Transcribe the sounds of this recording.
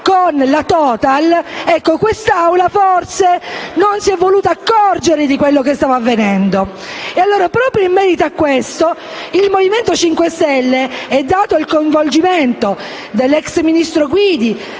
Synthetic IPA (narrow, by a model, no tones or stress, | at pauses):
konlat̪ɔːt̪alɛkːokwest̪awlaforsenonsiɛvːoluːt̪aːkːɔrd͡ʒeɾed̪ikwelːokest̪aːvoavːenɛnd̪o | ealːoːɾapɾɔːpɾjoimːɛːɾit̪oakːwest̪o | ilmoviment̪ot͡ʃiŋkwest̪ɛlːeɛd̪ːaːt̪oilkoiɱvold͡ʒiment̪o | d̪elːɛksminist̪ɾoɡwid̪i